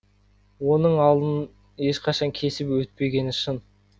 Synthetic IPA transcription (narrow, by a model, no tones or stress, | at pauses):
wo̞nəɴɑlˠd̪ən | e̞ʃqʰɑʃɑŋkʲʰe̞sɪpwɵt̪̚pe̞ɡʲe̞nɪʃɪn